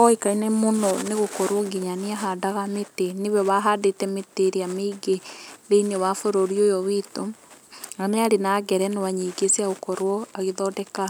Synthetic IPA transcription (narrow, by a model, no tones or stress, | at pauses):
ɔikainemonɔneɣokɔɾwɔɡiɲaneaɦadaɣameteneβɛβaɦaːdetɛmeteɾeameiɡeðeinɔwafoɾoɾiojɔwitoŋameaɾenaɡɛɾɛnewaɲeɡesiaɣokɔɾwɔaɣeðɔːdɛka